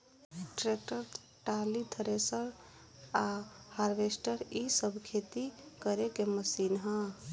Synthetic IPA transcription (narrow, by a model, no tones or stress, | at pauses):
ʈɾek̚ʈəɾ | ʈalit̪ʰəɾesəɾ | ahaɾʋesʈəɾisəbʱkʰet̪ikəɾekeməsinɦə̃